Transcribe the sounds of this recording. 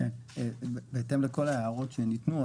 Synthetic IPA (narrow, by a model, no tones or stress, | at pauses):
en | beːte̞mleko̞laeaʁo̞tʃenitnu